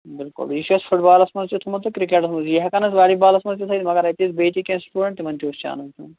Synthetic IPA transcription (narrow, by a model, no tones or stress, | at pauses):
bɪlkʊ̰ljiːʃuɐspʰuʈbaːlɐsmɐnzt͡ʃʰut̪ʰumɐnt̪ukɾikeʈɐsmɐnzjɐɦɐkɐnɐsʋaːɽibaːlɐsmɐnzt̪it̪ʰɐt̪imɐɡɐɾɐjt̪isbeːt̪ikʲẽːnsʈuːɖɐ̃ɳʈt̪imɐnt̪ioːst͡ʃa̰ːnɐit̪ʰu